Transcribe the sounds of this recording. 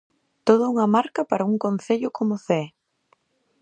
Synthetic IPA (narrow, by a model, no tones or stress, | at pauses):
t̪oð̞ɐuŋɐmaɾkɐpaɾɐuŋkon̟θeʎʊkʰomʊθɛ